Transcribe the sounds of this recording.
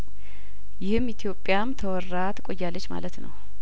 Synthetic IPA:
jɪhɨmit̪ʰijo̞pʼːjamt̪ʰəwɔrːat̪kʼojːalːət͡ʃːma̰lət̪nə̰w

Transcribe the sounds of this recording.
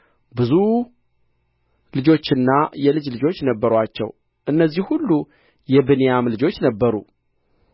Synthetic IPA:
bɨzu | lɨd͡ʒo̞t͡ʃːɪnːajɛlɨd͡ʒlɨd͡ʒo̞t͡ʃːnəbːəɾwat͡ʃːɛ̰w | ʔɨnːəzːihhulːu | jɛbɨnejamlɨd͡ʒo̞t͡ʃːnəbːəɾṵ

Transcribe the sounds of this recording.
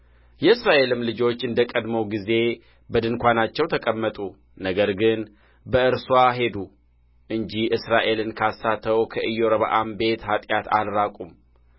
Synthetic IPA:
jɛɨsɾaʔe̞lɨmlɨd͡ʒo̞t͡ʃːɨnd̪əkʼəd̪məwɡize̞ | bəd̪ɨnkʷanat͡ʃːɛwt̪ʰəkʼəmːət̪ʼu | nəɡəɾɡɨn | bəɨɾswaɦe̞d̪u | ʔɨɲd͡ʒiʔɨsɾaʔe̞lɨnkʰasːat̪ʰəwkʰəʔɨjːoɾəβa̰ʔambe̞t̪hat̪ʼjat̪ʰa̰lɾakʼum

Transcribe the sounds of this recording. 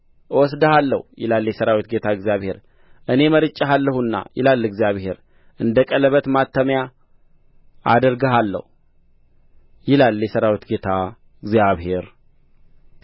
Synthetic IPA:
wɔs̬d̪əhalːəhujɪ̰lalːjɛsəɾawit̪̚ɡe̞t̪ʰaɨɡzijaβhe̞ɾ | ʔɨne̞məɾɨt͡ʃʼːaɦalːəhunːa̰jɪ̰lalːɨɡzjaβhe̞ɾ | ʔɨnd̪əkʼələβət̪mat̪ʰːəmja | a̰d̪əɾɡəɦalːə̰hu | jɪlalːjɛsəɾawit̪ɡe̞t̪ʰa | ɨɡzjaβhe̞ɾ

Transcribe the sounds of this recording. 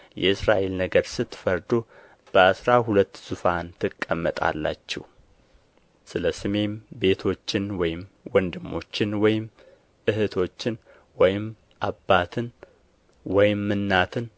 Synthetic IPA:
jɛ̰ɨsɾaʔe̞lnəɡəɾsɨt̪ːɨ̥fəɾd̪o | b̥əasɾaɦulət̪ːz̥ufant̪ʰɨkʼːəmːət̪ʼa̰lːa̰t͡ʃːɛ̰w | sɨləsɨme̞mbe̞t̪ʰo̞t͡ʃːɪnwɔjɪmwɔnd̪ɨmːo̞̰t͡ʃːɪnwɔjɪm | ʔɨɦɨt̪ʰo̞t͡ʃːɪn | wɔjɪm | ʔabːat̪ʰɨn | wɔjɪmːɨnːat̪ʰɨn

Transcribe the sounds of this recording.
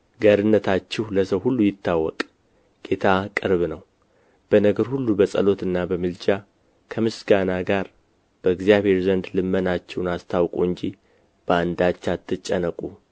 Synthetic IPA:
ɡaɾɨnːət̪ʰat͡ʃːɛhləsəwhulːujɪt̪ʰːawːɔkʼ | ɡ̥e̞t̪ʰakʼɨɾβnəw | b̥ənəɡəɾhulːubəsʼə̰lo̞t̪ɨnːabəmɨlt͡ʃa | kʰəmɨsɡanaɡaɾ | b̥əɨɡzijaβhe̞ɾzənd̪lɨmːənat͡ʃːɛwnast̪ʰawkʼuɨɲd͡ʒi | b̥əand̪at͡ʃːat̪ʰːɨt͡ʃʼːənəkʼu

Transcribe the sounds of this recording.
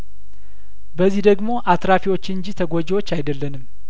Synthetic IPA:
bəzːihd̪əɡmo̞ʔat̪ɾafiwo̞t͡ʃːɨɲd͡ʒit̪ʰəɡod͡ʒewot͡ʃːajd̪əlːənɨm

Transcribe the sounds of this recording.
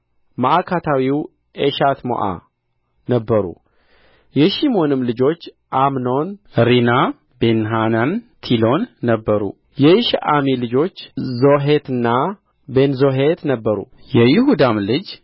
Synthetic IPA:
maʔakʰat̪ʰawiw | ʔeʃat̪mo̰ʔa̰ | nəbːəɾṵ | jɛʃimo̞nɨmlɨd͡ʒo̞t͡ʃː | ʔamno̞nɾina | benɦanant̪ʰilo̞nːəbːəɾṵ | jɛɪʃʔamilɨd͡ʒo̞t͡ʃːzo̞ɦet̪ɨnːa | be̞nzoɦet̪nəbːəɾṵ | jɛjɪɦud̪amlɨd͡ʒ

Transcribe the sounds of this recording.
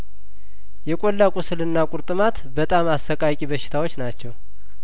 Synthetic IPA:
jɛkʼolːakʼusɨlɨnːakʼʊɾt̪ʼɨmat̪bət̪ʼamasəkʼakʼibəʃːɪ̥t̪ʰawot͡ʃːnat͡ʃːɛw

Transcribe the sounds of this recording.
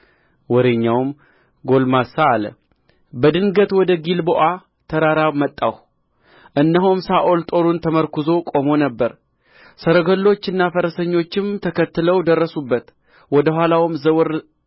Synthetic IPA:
wɔɾeɲːawm | ɡo̞lmasaːlə̰ | bəd̪ɨŋɡət̪wɔd̪əɡilboʔa | t̪ʰəɾaɾamət̪ʼːa̰wh | ʔɨnːəɦumsaʔo̞lt̪ʼo̞ɾunt̪ʰəməɾkʰuzo̞kʼo̞mo̞nəbːəɾ | səɾəɡəlːo̞t͡ʃːɨnːafəɾəsəɲːo̞t͡ʃːɪmt̪ʰəkʰət̪ːɨləwd̪ərːəsubːət̪ | wɔd̪əɦʷalawmzəwɨɾ

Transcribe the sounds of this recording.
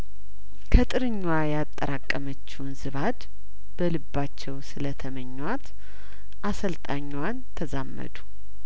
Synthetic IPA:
kʰət̪ʼɨɾɨɲːwajat̪ʼːəɾakʼːəmət͡ʃːɛwnzɨβad̪ | b̥əlɨbːat͡ʃːɛwsɨlət̪ʰəməɲːwat̪ | ʔasəlt̪ʼaɲːwant̪ʰəzamːə̰d̪u̥

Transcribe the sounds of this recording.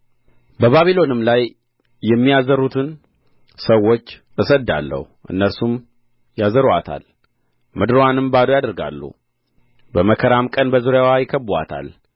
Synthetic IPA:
bəβaβilo̞nɨmlajː | ɛmːijazəɾut̪ʰɨn | səwːo̞t͡ʃː | ɨsəd̪a̰lːə̰huʔɨ̰nːəɾsum | jazəɾa̰t̪ʰa̰l | mɨd̪ɾowanɨmbad̪ujad̪əɾɡa̰lːṵ | bəməkʰəɾamkʼənbəzuɾjawajɪkʰːəbua̰t̪ʰa̰l

